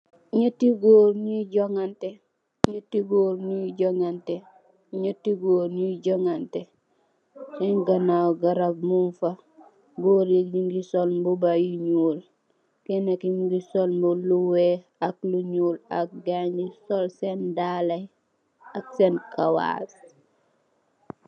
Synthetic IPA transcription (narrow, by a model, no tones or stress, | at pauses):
ɲutiɡoːɾɲuɟoŋante | ɲutiɡoːɾnuɟoŋante | ɲutiɡoːɾnuɟoŋante | seŋɡanawɡaɾab̚munfa | ɡoɾikd͡ʒiŋɡisolmbubajuɲuːl | kenekiɲɡisolmbuluwe | akluɲuːla̰k̚ɡaɲisolsendalaj | ak̚senkawa̰s